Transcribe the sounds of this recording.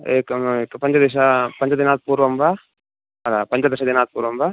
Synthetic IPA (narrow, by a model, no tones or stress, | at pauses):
ekekpɐɲt͡ʃɐd̪iʃ̬apɐɲt͡ʃɐd̪inaːt̪̚puːɾʋɐmba | ɐlapɐɲt͡ʃɐd̪iʃɐd̪inaːt̪̚puːɾʋɐmba